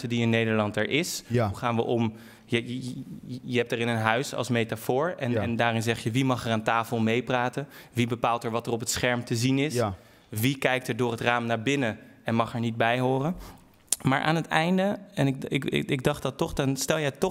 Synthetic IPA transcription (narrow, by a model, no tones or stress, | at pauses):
tədiɪnːejdəɹlɑntɛɹʔɪsɦuχaːnʋəʔɔm | jə | jəɦɛp̚tɛrɪnənɦœɥsɑ̰lˠsmejtafʊːɹɛnɛndaːrɪnzɛχjəʋimɑχɛraːntaːfəlˠmejpraːtəʋibəpaːlˠtɛɹʋɑtərɔpətsχɛɹmtəzinɪs | ʋikɛjk̚tɛɹdʊːrətraːmnaːɹbɪnə | ɛnmɑχɛɹnid̚bɛjɦʊːrən | maːɹʔaːnətɛjndəɛnɪɪɪɪɡ̚dɑχtdɑtɔχdnstɛlˠjɛtɔ